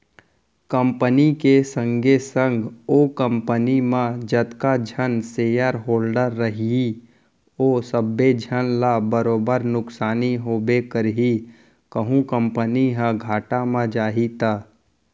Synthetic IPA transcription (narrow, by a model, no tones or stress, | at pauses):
kəmpənikesə̃ŋɡesə̃ŋɡoːkə̃mpənimãd͡ʒət̪kad͡ʒʱənseːjəɾɦoːlɖəɾːəɦii | oːsəbːed͡ʒʱənlabəɾoːbəɾnʊksaːniɦoːbekəɾɦi | kəɦũkə̃mpəniɦə̃ɡʱaːʈamãd͡ʒaːɦit̪aː